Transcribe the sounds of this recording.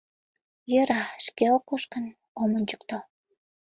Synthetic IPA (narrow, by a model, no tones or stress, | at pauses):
jøɾɑʃkeokːoʃkən | omənʲt͡ɕə̥kt̪o